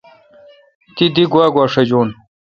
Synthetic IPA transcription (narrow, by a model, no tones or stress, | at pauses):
t̪id̪iɡwaːɡwaːʂɐd͡ʑoːn